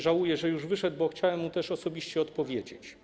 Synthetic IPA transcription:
ʐawujɛʐɛjuʐvɘʂɛd̪̚bɔxt͡ɕawɛmːut̪ɛʂɔsɔbʲiɕt͡ɕɛɔt̪pɔvʲjed͡ʑḛt͡ɕ

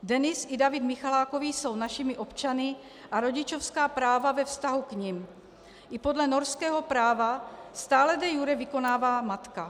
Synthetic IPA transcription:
dɛnɪsʔɪdavɪd̪mɪxalaːko̞viːso̞wnaʃɪmɪʔo̞pt͡ʃanɪ | ʔaɾo̞ɟɪt͡ʃo̞fskaːpɾaːvavɛfst̪aɦukɲɪm | ʔɪpo̞dlɛnoɾskɛːɦo̞pɾaːvast̪aːlɛdɛjuɾɛvɪko̞naːvaːmat̪ka

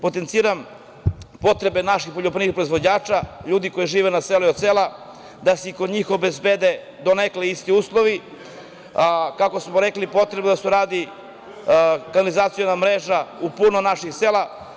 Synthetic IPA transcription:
po̞t̪ent̪siːɾam | po̞t̪ɾe̞be̞naʃixpoʎopɾiʋixpɾo̞izʋo̞d͡ʑaːt͡ʃaʎuːd̪iko̞jiʒiːʋenaseluio̞d̪sela | d̪aseikod̪ɲiːxo̞bezbed̪e | d̪o̞nekleist̪iuːslˠo̞ʋi | akako̞smoɾe̞klipo̞t̪ɾe̞bed̪asuɾaːd̪i | kanalizaːt̪sijonamɾeːʒaupunonaʃixseːla

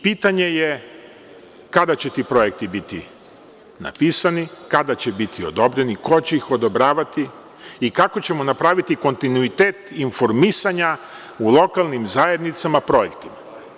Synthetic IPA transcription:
piːt̪aɲe̞je | kad̪at͡ɕet̪iːpɾo̞je̞k̚t̪ibit̪ḭ | na̰piːsanikad̪at͡ɕebit̪ʰio̞d̪o̞bɾe̞niko̞t͡ɕe̞ixo̞d̪obɾaːʋat̪i | ikako̞t͡ɕe̞mo̞napɾaːʋit̪iko̞nt̪inuit̪eːt̪info̞ɾmisaɲa | ulˠo̞kalˠnimzaje̞d̪nit̪samapɾo̞je̞kt̪ima

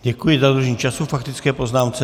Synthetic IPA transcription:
ɟɛkujɪzad̪ɾuʒɲiːt͡ʃasufakt̪ɪt͡skɛːpoznaːmt͡sɛ

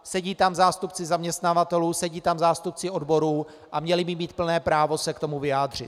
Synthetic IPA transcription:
sɛɟiːt̪amzaːst̪upt͡sɪzamɲɛst̪navat̪ɛluːsɛɟiːt̪amzaːst̪up̚t͡sɪʔo̞dbo̞ɾuː | ʔamɲɛlɪbɪmiːt̪̚pl̩nɛːpɾaːvo̞sɛkt̪o̞muvɪjaːd̪r̝ɪ̰t̪

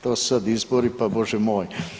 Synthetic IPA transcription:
t̪o̥ːsad̪izboɾipaboʒɛmoːj

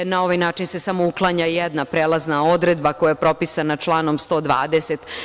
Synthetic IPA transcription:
nao̞ʋajnaːt͡ʃinsesamo̞uklˠaɲajed̪napɾeːlˠaznao̞d̪ɾed̪bako̞jajepɾo̞pisanat͡ʂlˠaːno̞mst̪o̞ːd̪ʋa̰ːd̪eset̪

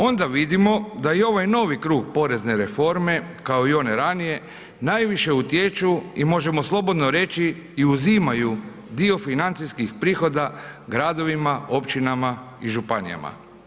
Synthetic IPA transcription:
o̞nd̪aʋid̪imo̞d̪ajio̞ʋajno̞ːʋikɾuːɡpo̞ɾe̞zne̞ɾe̞fo̞ɾme̞kao̞io̞ne̞ɾanije̞ | najʋiʃe̞ut̪jet͡ʃuimo̞ʒe̞mo̞slˠo̞bo̞d̪no̞ɾe̞t͡ʃiː | uzimaju | d̪io̞finant̪siskixpɾiːxo̞d̪aɡɾad̪o̞ʋimao̞pt͡ʃinama | iʒupanḭja̰ma̰

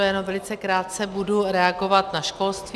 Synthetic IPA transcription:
jɛnomvɛlɪt͡sɛkɾaːt̪̚t͡sɛbuduɾɛaɡo̞vat̪naʃkolst̪v

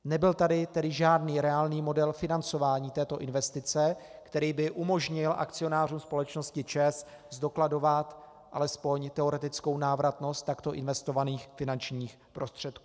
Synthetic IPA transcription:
nɛbɪlt̪adɪt̪ɛdɪʒaːdniːɾɛaːlniːmo̞dɛlfɪnant͡so̞vaːɲiːt̪ɛːt̪o̞ʔɪnvɛst̪ɪt͡sɛkt̪ɛɾiːbɪʔumo̞ʒɲɪlʔa̰kt͡sɪo̞naːruːmspo̞lɛt͡ʃno̞scɪt͡ʃɛs | zdo̞klado̞vat̪ | ʔalɛspo̞ɲt̪ɛo̞ɾɛt̪ɪt͡sko̞wnaːvɾat̪no̞st̪ːakt̪o̞ʔɪnvɛst̪o̞vaniːxfɪnant͡ʃɲiːx | pɾo̞st̪r̝̥ɛt̪̚kuː

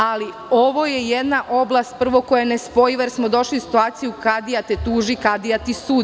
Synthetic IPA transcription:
ali | o̞ʋo̞jejed̪naʔo̞blˠast̪̚pr̩ʋo̞ko̞janespo̞jiʋeɾsmo̞d̪o̞ʃliusi̥t̪uaːt̪sijukad̪ijat̪et̪uːʒikad̪ijat̪isuːd̪

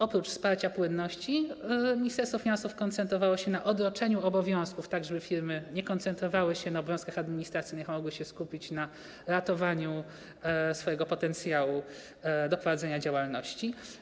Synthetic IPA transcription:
ɔpɾut͡ʂfspaɾt͡ɕapwɘnːɔɕt͡ɕimʲɲist̪ɛɾst̪fɔfʲinãsufkɔnt̪sɛnt̪ɾɔvawɔɕɛnaʔɔd̪ɾɔt͡ʂɛɲuɔbɔvʲjɔ̃w̃skuft̪aɡʐɛbɘfʲiɾmɘɲɛkɔnt̪sɛnt̪ɾɔvawɘɕɛnaɔbɔvʲjɔ̃skaxad̪mʲiɲist̪ɾat̪sɘjnɘxmɔɡwɘɕɛskupʲit͡ɕna | ɾat̪ɔvaɲu | sfɔjɛɡɔpɔt̪ɛnt̪sʲjawu | d̪ɔpɾɔvad̪zɛɲad͡ʑawalnɔɕt͡ɕi

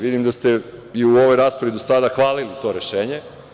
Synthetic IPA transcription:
ʋid̪imd̪ast̪e̞iuo̞ʋo̞jɾaːspɾaʋid̪o̞sad̪axʋaːlilit̪o̞ːɾe̞ʃe̞ːɲe̞

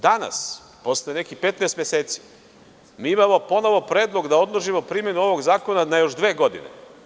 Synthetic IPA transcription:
d̪ana̰s | po̞slenekipe̞t̪neːst̪mjeseːt̪si̥ | miːimamo̞po̞no̞ʋo̞pɾeːd̪lˠo̞ɡd̪ao̞d̪lˠoʒimo̞pɾimje̞nuo̞ʋo̞ɡzaːko̞nanajo̞ʃd̪ʋe̞ːɡo̞d̪ḭnḛ

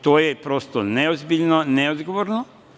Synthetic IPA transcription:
t̪oːjepɾost̪oneozbiʎnoneod̪ɡoʋoɾno

